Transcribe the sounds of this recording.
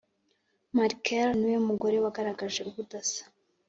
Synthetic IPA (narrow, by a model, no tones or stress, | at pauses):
maɾkʰelniweumuɡo̞ɾe̞waɡaɾaɡaʒe̞uβudasḁ